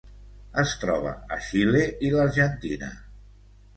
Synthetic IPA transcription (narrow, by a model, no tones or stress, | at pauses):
əst̪ɾɔβə̰əʃileʔiləɾʒənt̪inə̰